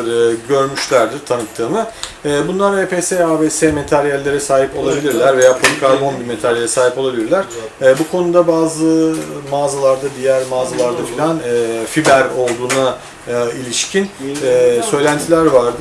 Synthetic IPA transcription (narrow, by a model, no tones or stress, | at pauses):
ɟø̞ɾmyʃlʲæɾd̪iɾt̪ʰanɯt̚t̪ʰːɯːmɯɛːbunlˠaɾepʰeːseaːbeːsemet̪ʰæɾjælʲːe̞ɾɛsaːɦipo̞lˠabilʲiɾlʲæɾve̞jaːpʰlikʰaɾbo̞nbiɾmet̪ʰaɾjaelʲɛsaːɦipo̞lˠabilʲiɾlʲæɾ̥ː | bukʰo̞nud̪abaːzɯmaːzalˠaɾd̪ad̪ijæɾmaːzalˠaɾd̪afilʲænfibæɾo̞lˠd̪uːna | ilʲiʃcʰinɛːsø̞jlʲænt̪ʰilʲæɾvaɾd̪ɯ